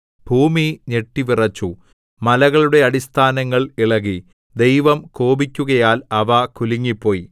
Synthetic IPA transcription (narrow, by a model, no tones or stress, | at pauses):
b̥ʱuːmiɲe̞ʈːiʋirɐt͡ɕːu | mɐlɐɣɐɭuɽe̞ɐɽist̪ʰaːnɐŋːɐɭiɭɐɣi | d̪e̞jʋɐmkoːbikʲːuɣɐjaːlɐʋɐkuliŋːipːo̞ːji